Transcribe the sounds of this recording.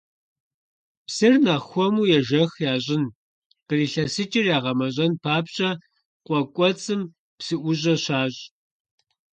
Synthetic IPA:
psɨrnɐxʷɔmuːjɛʒɐxjaːɕʼɪn | qəriːɬɐsɨt͡ʃʼɪrjaːʁɐmɐɕ̬ʼɐnpʰaːpɕʼɐ | qʷʼɔkʷʼɔt͡sʼɨm | psɨʔʷʊɕʼɐɕaːɕʼ

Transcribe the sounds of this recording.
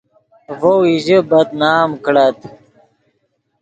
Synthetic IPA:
vowiʑəbɐd̪naːmkɽɐt̪

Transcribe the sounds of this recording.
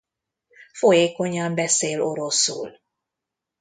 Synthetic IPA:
fo̞jeːko̞ɲɒmbɛseːlo̞ɾosuːl

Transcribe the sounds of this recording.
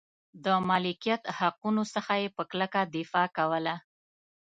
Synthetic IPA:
d̪əmɑlɪkijat̪haqunosəxajepəkləkad̪ɪfɑkawəla

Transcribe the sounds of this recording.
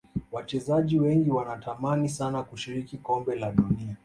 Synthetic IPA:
wat͡ʃɛzaʄiwɛŋɡiwanatamanisanakuʃiɾikikɔmbɛlaɗunia

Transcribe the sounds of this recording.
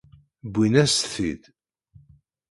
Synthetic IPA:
bʷinæsθḭd̪

